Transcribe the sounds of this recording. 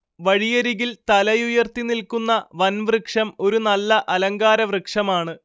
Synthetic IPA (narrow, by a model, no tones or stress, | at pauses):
ʋɐɻijɐɾiɣilt̪ɐlɐjujɐrt̪inilkunːɐʋɐnʋrɨkʂɐmo̞ɾunɐlːɐʔɐlɐŋɡaːɾɐʋrɨkʂɐmaːɳɨ